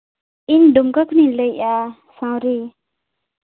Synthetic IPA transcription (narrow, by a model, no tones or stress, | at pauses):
indumkakʰunilɯjʔa | sãwɾi